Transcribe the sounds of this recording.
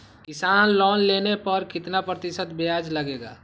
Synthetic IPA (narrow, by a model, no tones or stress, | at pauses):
kɪsaːnlɔːnleːnepəɾkɪt̪napɾət̪ɪʃət̪bead͡ʒləɡeːɡa̰ː